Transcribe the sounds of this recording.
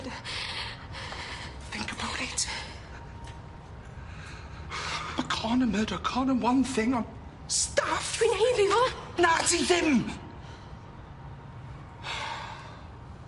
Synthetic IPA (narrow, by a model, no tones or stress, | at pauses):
θɪ̃ŋkəbaʊɾɪt | əkʰɑnə̃mɜːɾəkʰɑ̃ːnə̃nwʌ̃nθɪ̃ŋə̃n | stafwineɪdiənadiðɪm